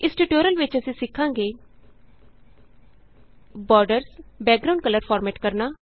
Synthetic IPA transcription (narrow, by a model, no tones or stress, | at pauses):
ɪsʈuʈoːɾəlʋɪt͡ʃəsĩːsɪkʰːãːŋɡeː | bɔːɾɖəɾsbɛːk̚ɡɾaʊ̃ːɳɖ̚kələɾpʰɔːɾmɛːʈkəɾnaː